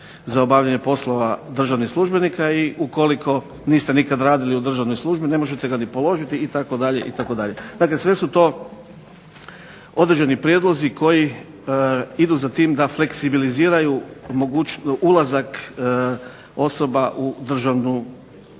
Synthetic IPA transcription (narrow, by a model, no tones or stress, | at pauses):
zaobaːʋʎaɲe̞po̞slˠoʋad̪r̩ʒaʋnixslˠuʒbe̞nikaiʔuko̞likʰo̞ | niːst̪enikad̪ɾaːd̪iliud̪r̩ʒaʋno̞jslˠuʒbine̞mo̞ʒet̪e̞ɡanipo̞lo̞ʒit̪iːt̪ako̞d̪aʎḛʔit̪ako̞d̪aʎe̞d̪akle̞sʋe̞sut̪o̞ː | o̞d̪ɾed͡ʒenipɾjed̪lˠo̞ziko̞ji | id̪uzat̪iːmd̪afle̞ksibiliziːɾajumoɡut͡ʃulˠazak | o̞so̞baʔud̪r̩ʒaʋnu